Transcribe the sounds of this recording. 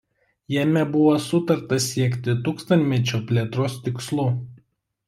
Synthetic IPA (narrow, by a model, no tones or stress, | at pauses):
jɛmʲɛbʊʋoːsʊt̪ɐɾt̪ɐsʲiɛkʲt̪ʲɪt̪uːkst̪ɐnt̪ʲmʲɛt͡ʃʲoːpʲlʲeːt̪ɾoːst̪ʲɪkslˠuː